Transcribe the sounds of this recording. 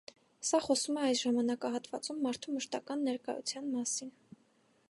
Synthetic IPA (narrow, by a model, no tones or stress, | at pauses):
sɑχɔsumɛɑjsʒɑmɑnɑkɑɦɑt̪vɑ̰t͡sumːɑɾt̪ʰuməʃt̪ɑkɑnːɛɾkɑ̰jṵt͡sʰjɑnmɑsin